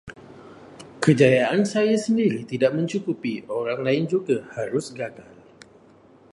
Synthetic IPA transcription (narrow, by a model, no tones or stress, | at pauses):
kəd͡ʒajaʔansajasəndiɾit̪idaʔmə̃ɲt͡ʃukupioɾaŋlaɪnd͡ʒuɡahaɾʊsɡaɡal